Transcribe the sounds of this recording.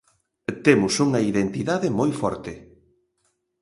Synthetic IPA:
t̪emʊsuŋɐiðent̪iðaðɪmojfɔɾt̪ɪ

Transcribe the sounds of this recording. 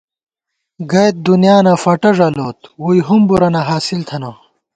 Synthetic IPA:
ɡɐjt̪̚d̪unjaːnɐfɐʈɐʐɐloːt̪wujɦumbuɾɐnɐɦaːsilt̪ʰɐnɐ

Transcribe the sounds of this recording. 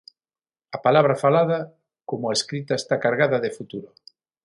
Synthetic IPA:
ɐpalaβ̞ɾɐfalað̞ɐ | komʊaeskɾit̪aest̪akaɾɣaðɐðefut̪uɾo

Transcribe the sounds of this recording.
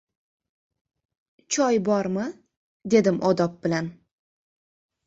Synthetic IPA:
t͡ʃʰɒjbɒɾmɪ | d̪e̞d̪ɪmʔɒd̪ɒp̚b̥ɪlan

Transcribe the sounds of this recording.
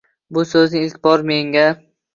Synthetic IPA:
bʊsɵznɪɪlt̪ʰbɒɾme̞ŋɡʲa

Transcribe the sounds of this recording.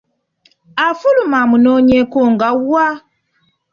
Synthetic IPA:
afulumamunoːɲekoŋɡawa

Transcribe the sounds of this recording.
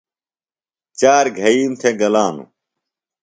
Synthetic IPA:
t͡ɕaːɾɡʱɐiːmt̪ʰeːɡɐlaːnṵ

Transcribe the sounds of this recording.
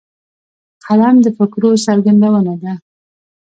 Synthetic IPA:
qʰalamd̪əfɪkɾos̬aɾɡand̪awənad̪a

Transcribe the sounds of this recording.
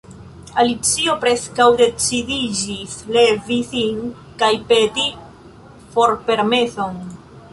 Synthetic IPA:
alit͡sio̞pɾe̞skawde̞t͡sidid͡ʒisle̞visin | kajpe̞ti | fo̞ɾpe̞ɾme̞so̞n

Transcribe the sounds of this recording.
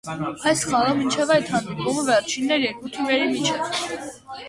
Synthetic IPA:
ɑjsχɑləmint͡ʃʰɛvɑjt̪hɑnd̪ipʼuməvɛɾt͡ʃʰinːɛɾjɛɾkut̪ʰimɛɾimit͡ʃʰɛv

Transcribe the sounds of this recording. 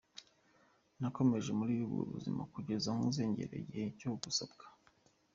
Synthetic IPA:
nako̞me̞ʒe̞muɾiːβuβɡo̰βṵzimakuɟe̞zaŋuze̞ːɲɟe̞̰ɾḛɟecoɡusabɡḁ

